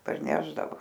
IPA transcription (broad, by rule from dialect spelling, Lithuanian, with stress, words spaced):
pɐrʲˈnʲæːʒdɐʋoː